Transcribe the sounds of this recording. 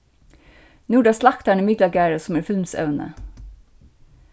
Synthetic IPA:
nuːɖɑːslɑkt̪æɳəmɪɡlɑɡæːɾəsɔmæːɾfɪlmsœ̰ʋnə̰

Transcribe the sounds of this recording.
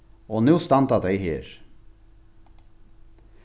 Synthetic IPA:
oːnuːst̪ɑnt̪ɑd̪æɪhḛːɾ

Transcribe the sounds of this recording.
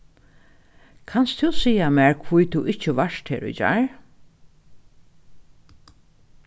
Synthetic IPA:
kʰanst̪ʰusiːamɛːɹkʰvujt̪ʰuʔɪht͡ʃɪʋaʃt̪heːɾʊ̰jt͡ʃa̰ɹ

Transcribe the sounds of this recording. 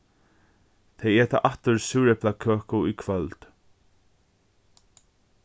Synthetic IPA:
t̪ʰejɛːt̪a̰ʔaht̪ːʊɾsuːɾɛplakʰœːkʊikʰvœlt̪

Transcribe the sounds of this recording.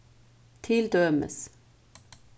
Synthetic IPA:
t̪ʰɪld̪øːmə̰s

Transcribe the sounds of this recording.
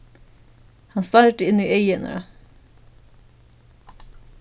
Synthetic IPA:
hɑnst̪ɑːɾʈəɪniːʔœʏənə̰

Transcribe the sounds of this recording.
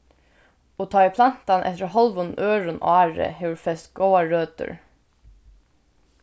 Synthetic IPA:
oːt̪ʰɑːiːpʰlɑn̥t̪ɑnʔɛ̰t̪əɹhɔlʋʊn̩ʔøːɹʊnʔɑːɹə̰heʋɹfɛst̪ɡ̥oːɑɹøːt̪ə̰ɹ

